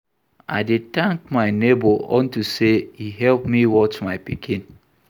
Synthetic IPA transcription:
a̰ɪdetãŋkmaɪneboɔ̰̃ntuseiɦɛlpmiwɔt͡ʃmaɪpikʰĩn

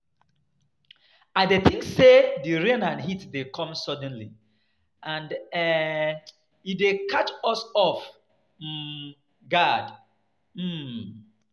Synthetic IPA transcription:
aɪdeθĩŋsːediɹẽnãnɦitdekʰɔ̃msɔd̃nlḭ | ʔãndɛ | idekʰat͡ʃɔsɔf̩ | ɡad | m̩

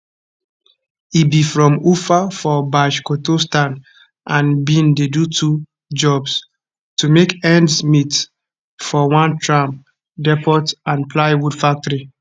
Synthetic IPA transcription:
ibifɹɔ̃mufafɔbaʃkotostãn | ʔãnbĩndedutʰu | d͡ʒɔbs | tumekɛ̃ndsmit | fɔwãntʰɹãm | dɛpɔtãnplaɪwudfak̚tɔɹi

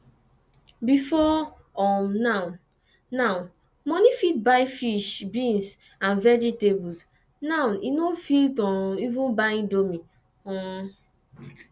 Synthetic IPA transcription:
bifɔ | ɔmnãn | naʊ | mɔnifit̚baɪfiʃbĩns | ãnvɛd͡ʒitebus | naʊ̃ninofiltɔ̃nivũnbaɪĩndomi | ɔ̃

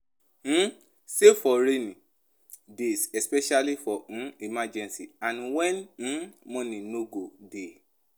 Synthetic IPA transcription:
sefɔɾenĩ | desɛspɛʃalifɔũimad͡ʒɛ̃nsiãnwɛñ̩mɔ̃nĩnoɡode

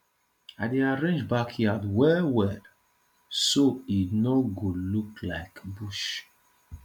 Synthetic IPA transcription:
aɪdeaɹẽnd͡ʒbakʰhiadwɛwɛd | soinɔɡolukla̰ɪkbuʃ

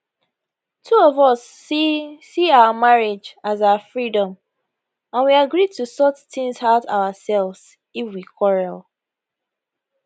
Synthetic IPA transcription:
tʰuɔvɔs | siaʊəmaɹed͡ʒazaʊəfɹidɔ̃m | ãnwiaɡɹid̚tʰusɔt͡ʃtʰɪ̃ŋshaʊta̰wəsɛlvz̥ | ifwikʰɔɹɛlˠ

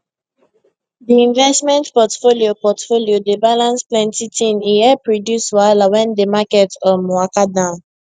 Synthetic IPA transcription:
diĩnvɛstmɛ̃ntpɔtfoliopɔtfoliodebalãnsplɛ̃ntitʰĩniɛpɹodjuswalawɛ̃ndemakɛtɔmɔakadãʊ̃n

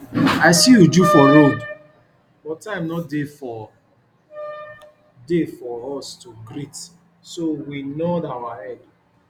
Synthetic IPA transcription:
aɪsiud͡ʒufɔɾod | bɔttãɪ̃mnɔt̚defɔ | defɔɾɔstuɡɾit | sowinodawaɛd

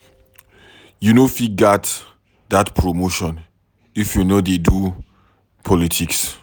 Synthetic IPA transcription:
junoifiɡat | d̪atpʰɹomoʃɔ̃n | ifjunodedu | pʰɔlitʰiks

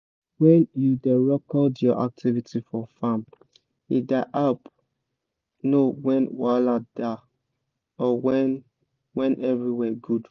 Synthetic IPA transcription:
wɛ̃njudɛɹɔkɔldjɔʔa̰k̚tʰivitʰifɔfam | ḭdaʔap | nowɛ̃nwalada | ɔw | wɛ̃nʔɛvɹiwɛɡud

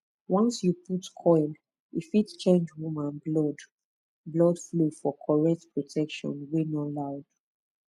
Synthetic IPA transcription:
wɔ̃nsjuputkʰɔɪl | ifitt͡ʃẽnd͡ʒwumãnblɔd | blɔdflufɔkʰɔɹɛk̚tpʰɹɔtʰɛkʃɔ̰̃nwinɔlaʊd̥

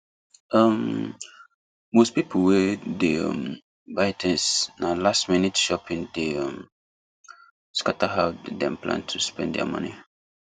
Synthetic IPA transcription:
ʌm | mospipʰl̩wedeʌ̰̃m | vaɪtʰɛ̃nsnalastminitʃɔpĩndeʌ̃m | skataɦaʊddɛ̃mplã̰ntʰuspɛ̰̃nddɛ̰a̰mʌ̰̃ni

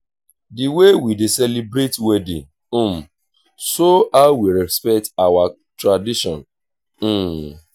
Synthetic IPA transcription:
diwewidisɛlibɾetwedḭ̃ | m̩ | soawiɾɛspɛk̚tawa | tɹadiʃɔ̰̃n̩

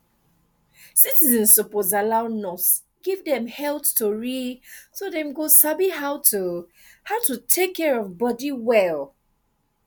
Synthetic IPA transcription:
sitizɛ̃nsːɔpɔzalaʊnɔts | ɡ̥ivdɛ̃mhɛlθtuɹisodɛ̃mɡosabiɦaʊtu | haʊtutʰekʰːɛɹɔvbɔdiwɛl

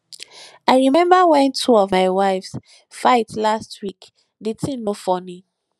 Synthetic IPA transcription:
aɪɹimɛ̃mbawɛ̃ntʰuɔvmaɪwaɪfs | faɪtlastʰwik | ditĩnnofɔni

